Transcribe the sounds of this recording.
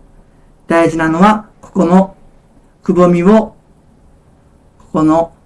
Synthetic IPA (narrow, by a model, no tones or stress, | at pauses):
d̪̥aiʑinano̞βako̥ko̞no | kɯ̟bo̞mʲiβo | ko̥ko̞no